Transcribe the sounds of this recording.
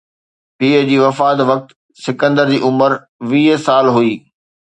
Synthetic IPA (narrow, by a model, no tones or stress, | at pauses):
piːəd͡ʑiːʋɐfaːt̪ʋɐk̚t̪ | sɪkə̃nd̪əɾd͡ʑiːʔʊməɾ | ʋiːɦsaːlɦuiː